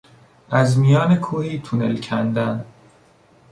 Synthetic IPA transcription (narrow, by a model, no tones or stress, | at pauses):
ʔæzmijɒːnekʰuːhiːt̪ʰunelcʰænd̪æn